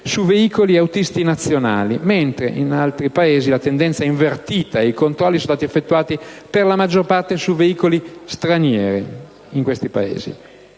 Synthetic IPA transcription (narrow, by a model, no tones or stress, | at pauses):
suveiːkoliawt̪ist̪inat̪sːjona̰ːliment̪ɾḛʔinalt̪ɾipaeːzilat̪end̪ɛnt̪saɛiɱvert̪iːt̪aeikont̪ɾɔlːisõnst̪aːt̪iefːet̪ːuaːt̪iperlamad͡ʒːorpart̪esuveiːkolist̪ɾanjɛːɾi | iŋkwest̪ipaḛːzḭ